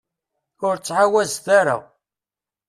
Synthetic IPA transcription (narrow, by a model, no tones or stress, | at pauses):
ʊɾt͡sːʕawæzθaɾa̰